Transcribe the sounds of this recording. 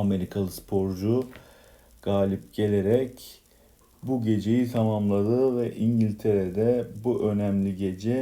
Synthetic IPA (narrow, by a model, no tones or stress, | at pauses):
ame̞ɾikʰalˠɯspʰo̞ɾd͡ʒu | ɡ̥aːlʲip̚ɟe̞lʲe̞ɾɛc | buɟe̞d͡ʒe̞jit̪ʰamamlˠad̪ɯvɛʔiɲɟilʲt̪ʰe̞ɾed̪ɛbuʔø̞næmlʲiɟe̞d͡ʒɛ